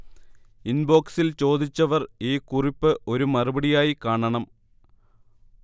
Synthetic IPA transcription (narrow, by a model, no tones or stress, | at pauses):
inbo̞ːksilt͡ɕo̞ːd̪it͡ɕːɐʋɐriːkuripːɨʔo̞ɾumɐrubɐɽijaːjikaːɳɐɳɐm